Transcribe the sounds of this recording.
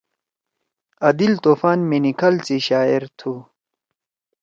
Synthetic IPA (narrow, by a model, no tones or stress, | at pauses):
ɐd̪ilt̪oːfaːnminikʰɐlt͡siɕaːiɾt̪ʰu